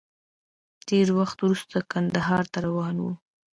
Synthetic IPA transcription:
t̪eɾwaxt̪wɾust̪akand̪aɦɑɾt̪aɾawɑnwṵ

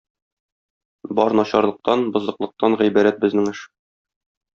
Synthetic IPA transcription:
bɒɾnɒɕɑɾlˠɤ̆q̚t̪ɑnbŏzɤ̆qlˠɤ̆q̚t̪ɑnʁæjbæɾæt̪̚bɘ̆znɘŋɘʃ

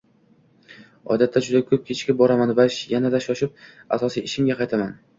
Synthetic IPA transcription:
ɒ̰d̪at̪ːad͡ʒʊd̪akʲʰɵp̚kʲʰet͡ʃʰkʲabɒɾamanvaʃjanad̪aʃɒʃɪp̚ | asɒsijɪʃɪmɡʲaqʰɑjt̪ʰaman

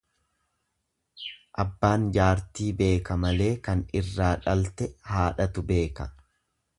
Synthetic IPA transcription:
ʔɐbːaːnd͡ʒaːɾt̪iːbe̞ːkɐmɐle̞ːkɐnɪrːaːᶑɐlt̪ɛhaːᶑɐt̪ʊbe̞ːkɐ

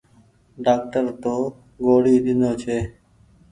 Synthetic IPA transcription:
ɖaːk̚ʈəɾt̪oː | ɡoːɽiːɗ̪ɪnoːt͡ʃʰeː

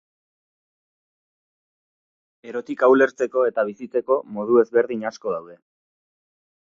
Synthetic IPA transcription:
e̞ɾo̞t̪ikawle̞ɾt͡se̞ko̞e̞t̪aβ̞isit͡se̞ko̞mo̞ð̞ue̞zβe̞ɾðiɲasko̞ð̞awðe̞

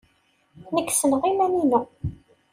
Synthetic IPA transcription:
nəkːsənʁimæninæ

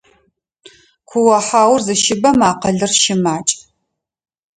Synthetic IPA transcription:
kʷʰʊwɐħaːwrzɨʃɪbɐmaːqɐɮɨrʃɪmaːt͡ʃʼ

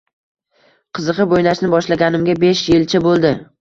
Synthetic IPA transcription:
qʰɨzɨqɨbojnaʃnɪbɒʃlaɡʲanɪmɡʲabeʃjelt͡ʃʰɪbolˠd̪ɪ

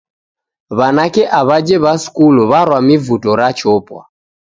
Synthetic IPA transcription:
βanakɛʔaβad͡ʒɛβaskulɔβaɾwamivutɔɾat͡ʃɔpwa̰

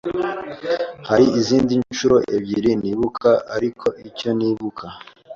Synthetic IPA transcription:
haɾiiziːndint͡ʃuɾo̞ʔḛbɟiɾiniːβukʰaaɾikʰo̞ʔico̞niβukʰa

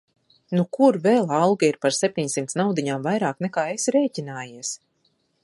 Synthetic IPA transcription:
nukuɾvɛlˠalˠɡiiɾpaɾsep̚t̪ʲiɲʲsimt̪snawd̪iɲaːmvajɾaːknɛkaːesɾɛːcʲinaːjiɛs

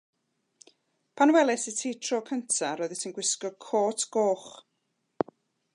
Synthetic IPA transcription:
pʰanwɛlˠɛsitʰiːtʰroːkʰəntʰaɾɔːðətʰinɡwɪskɔkʰoːtʰɡ̥oːχ

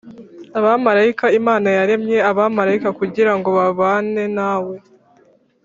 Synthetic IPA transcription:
aβamaɾaikaimaːnajaɾe̞mɲe̞aβamaɾaikakuɟiɾaŋɡo̞βaβaːne̞naːwe̞

